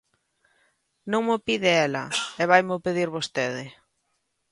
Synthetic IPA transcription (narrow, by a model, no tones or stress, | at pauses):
nõŋmʊpiðɪɛlɐ̰ɛβajmʊpeðiɾβost̪eðɪ